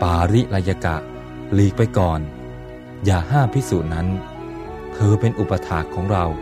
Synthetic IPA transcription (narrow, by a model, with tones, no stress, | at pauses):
paː˨˧ɾi˦˥ʔɾa˧ja˧ka̰˨˩ʔ | liː˦˥k̚pa˧jkɔː˨˩n | jaː˨˩haː˥˩mpʰi˦˥suː˨˩t̪̚na˦˥n | k̪ʰɤː˧pe˧nʔu˨˩pa˧t̪ʰaː˨˩kʰːɔː˩˦ŋɾa˧w